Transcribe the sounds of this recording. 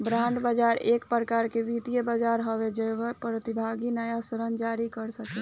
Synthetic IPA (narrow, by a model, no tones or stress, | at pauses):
bɾãɳɖbəd͡ʒaɾeːkpɾəkaɾkeʋit̪ijebəd͡ʒaɾɦɔʋed͡ʒeepɾət̪ibʱaɡinəjasɾənd͡ʒaɾikəɾsəkɛ